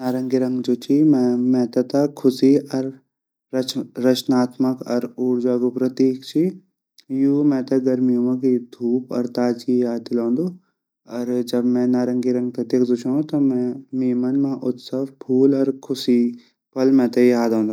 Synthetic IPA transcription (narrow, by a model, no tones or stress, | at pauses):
naːɾɐ̃ŋɡiɾɐ̃ŋɡd͡ʒoːt͡ʃʰimɛ̃mɛ̃t̪ɐt̪ɐkʰʊsiɐɾ | ɾɐt͡ʃnaːt̪məkɔ̰ɾuːɾd͡ʒaːɡupɾɐt̪iːkt͡ʃʰi | juːmɛ̃ːt̪ɐɡɐɾmiũmãk̬id̪ʱuːpɔ̰ɾt̪aːd͡ʒiɦaːd̪ɪlõːnd̪o | ɔːɾd͡ʒɐbmɛ̃naːɾɐ̃ŋɡiɾɐ̃ŋɡ̚pɐt̪iːkʰd̪ut͡ʃʰãt̪omɛ̃miːmɐnmãʔʊt̪sɐʋpʰuːlɔːɾkʰʊsi | pɐlmɛ̃t̪ɐiɦaːd̪õːnd̪a